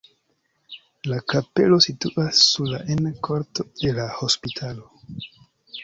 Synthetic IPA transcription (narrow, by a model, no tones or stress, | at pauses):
lakape̞̰lo̞situʔasːuɾla̰ʔenkʰo̞ɾto̞de̞laho̞spitʰalo̞